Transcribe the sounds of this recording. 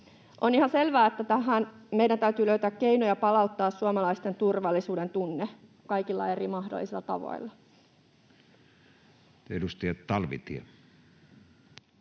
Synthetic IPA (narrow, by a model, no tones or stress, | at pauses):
ʔonihɑselʋæːet̪ːæt̪æɦæːnmeidænt̪æyt̪yːløyt̪æːkkeinojɑpɑlɑut̪ːɑːssuɑmɑlɑist̪ent̪urʋɑlːisuːdent̪unːe | kɑikilːɑ̰erimɑhdo̰lːˑisilːɑt̪ɑ̰ʋo̰ilːɑ | edust̪ɑjɑt̪tɑlʋḭt̪iɑ